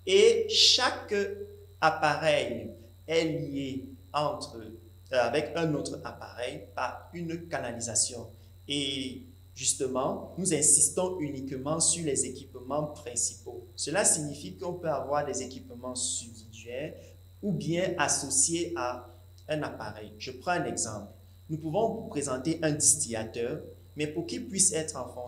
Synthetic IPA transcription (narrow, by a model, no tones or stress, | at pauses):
eʃak | apaʁɛj | ɛlieɑ̃t̪χə | avɛkɛ̃not̪χəapaʁɛjpaʁynkanalizasjɔ̃ | e | ʒyst̪əmɑ̃nuzɛ̃sist̪ɔ̃ynikmɑ̃syʁlɛzekʲipmɑ̃pχɛ̃si̥posəlasiɲifikəɔ̃pøavwaʁd̪ɛzekʲipmɑ̃sybdid̪ɥɛʁ | ubjɛ̃ʔasɔsjea | ɛ̃napa̰ʁɛjʒ̥əpχɑ̃ɛ̃nɛɡzɑ̰̃pl | nupuvɔ̃vupχezɑ̃t̪eʔɛ̃d̪ist̪iat̪œʁ | mɛpuʁkilpɥisɛt̪χɑ̃fɔ̃